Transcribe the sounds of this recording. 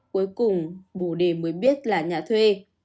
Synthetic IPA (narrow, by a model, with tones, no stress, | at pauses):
ku˨˦jkʊ˨˩ŋ͡mɓo˧˩ɗe˨˩məː˨˦jɓi˦˥ət̚laː˨˩ɲaː˨˩t̪ʰwe˧